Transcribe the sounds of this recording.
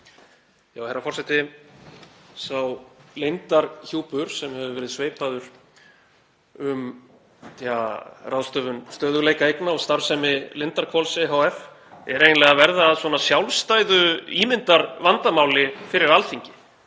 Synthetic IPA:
jaːwhɛjɾːafɔr̥sɛt̪ɪ | sawlejnt̪aɾçuːpʏɾ̥sɛmhɛvʏvɛːɾɪðsveːjpaðʏɾ̥ | ʏm | θɛarawðst̪œːvʏnst̪œːðʏleːjkaejknaɔɣst̪aɾ̥sɛmɪlɪnt̪aɾ̥kʰɔlseɦawɛf | ɛɾejnlɛːɣavɛɾðaːðsvɔːnasjawlst̪aːjðʏiːmɪnt̪aɾvant̪amaːwlɪfɪɾɪɾalθiɲcɪ̥

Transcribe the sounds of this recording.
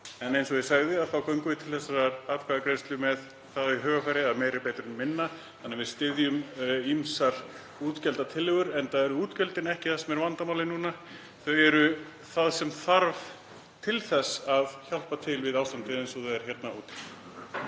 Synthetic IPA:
ɛnejnsɔɣvɪsaːɣðɪaðθawkœɥŋkʏvɪt̪ʰɪlθɛsːaɾaapkʰaɣakɾenst̪lʏmɛð | θaðaiɦœːɣafaːjɾɪaðmejɾɪpeːjt̪ɾʏmmɪnːa | θanːɪvɪðst̪ɪðjʏmimsaɾ̥ | uːt̪cɛlt̪at̪ʰɪlːɪɣʏɾɛnt̪aɛɾʏuːt̪cœlt̪ɪnɛhcɪθasɛmɛɾvant̪amawlɪnuːna | θœɥɛɾʏ | θaðsɛmθaɾv | t̪ʰɪlθɛsːaðçal̥pat̪ʰɪlvɪðaːwst̪ant̪ɪejnsɔðɛðɛɾ̥çjɛt̪nauːt̪ɪ̥

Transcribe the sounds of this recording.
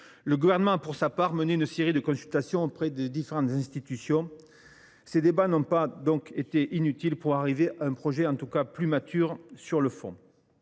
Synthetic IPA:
ləɡuvɛʁnəmɑ̃apuʁsapaʁməneynəseʁid̪əkɔ̃sylt̪asjɔ̃opχɛd̪ed̪ifeʁɑ̃t̪zɛ̃st̪it̪ysjɔ̃ | sed̪ebanɔ̃pad̪ɔ̃ket̪eʔinyt̪ilpuʁaʁiveʔaɛ̃pχɔʒɛɑ̃t̪ukaplymat̪ʰyʁsyʁləfɔ̰̃

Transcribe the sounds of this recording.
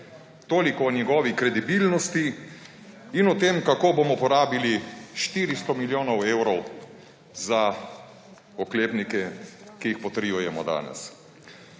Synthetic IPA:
t̪oːlikɔnjɛɡɔːʋikɾɛd̪ibilnɔst̪i | inɔt̪eːmkakoːbomɔpɔɾaːbiliʃt̪iːɾist̪ɔmiljoːnɔwewɾɔw | za | ɔkleːpnikɛkijixpɔt̪ɾijujɛmɔ̰d̪a̰ːnɛ̰s

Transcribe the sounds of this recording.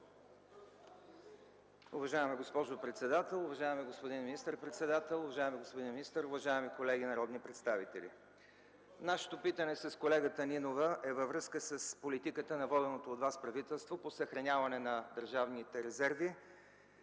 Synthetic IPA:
ʊvɐʒaɛmiɡospɔʒopɾɛt̪sɛd̪at̪ɛlˠʊvɐʒaɛmiɡospod̪inminist̪əɾpɾɛt̪sɛd̪at̪ɛlˠʊvɐʒaɛmiɡospod̪inminist̪əɾʊvɐʒaɛmikolɛɡ̟inɐɾɔd̪nipɾɛt̪st̪avit̪ɛ̰lḭ | naʃɛ̥t̪opit̪ənɛsəskolɛɡət̪əninovəʔɛvɐvɾɤskəsəspolit̪ikət̪ənɐvɔd̪ɛnot̪oːd̪vaspɾɐvit̪ɛlˠst̪voposəxɾɐnʲavɐnɛnɐd̪əɾʒavnit̪ɛɾɛzɛɾvi

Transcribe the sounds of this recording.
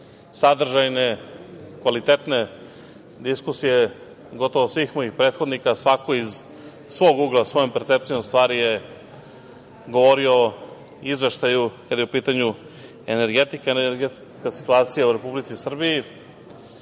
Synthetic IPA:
sad̪r̩ʒajne̞kʋalit̪et̪ne̞ | d̪iskusije | ɡo̞t̪oʋosʋiːxmo̞jixpɾe̞ːt̪xod̪nikasʋako̞iz | sʋo̞ɡuɡlˠasʋo̞jompeɾt̪se̞p̚t̪ijomst̪ʋaːɾije | ɡo̞ʋo̞ɾio̞ | izʋe̞ʃt̪ajukad̪jeupiːt̪aɲu | ene̞ɾɡe̞t̪ikaeneɾɡet̪s | kasi̥t̪uaːt̪sijauɾe̞publit̪sisr̩bii

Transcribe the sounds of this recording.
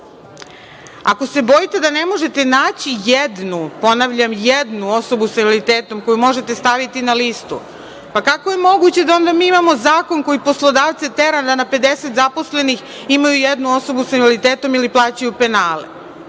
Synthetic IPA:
ako̞se̞bo̞jit̪e̞d̪ane̞mo̞ʒe̞t̪e̞naːt͡ɕijed̪nupo̞naʋʎamjed̪nuo̞so̞busaialit̪eːt̪o̞mko̞jumo̞ʒe̞t̪e̞st̪aʋit̪inalist̪ṵ | pakakoje̞mo̞ɡut͡ɕe̞d̪ao̞nd̪amiːimamo̞zaːko̞nko̞jipo̞slˠo̞d̪aːʋt̪set̪eɾand̪anape̞d̪eset̪zapo̞sle̞nix | imajujed̪nuo̞so̞busaʋelit̪eːt̪o̞miliplˠaːt͡ɕajupenaːlḛ

